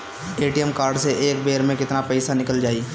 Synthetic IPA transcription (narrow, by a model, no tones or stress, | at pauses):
eːʈijəmkaːɾɖseʔeːk̚beːɾmẽkɪt̪napɛɪsanɪkəld͡ʒaːiː